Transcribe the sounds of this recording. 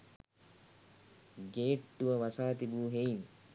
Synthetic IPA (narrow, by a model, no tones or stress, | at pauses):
ɡeːʈːuʋəʋɐsaːt̪ibuːɦen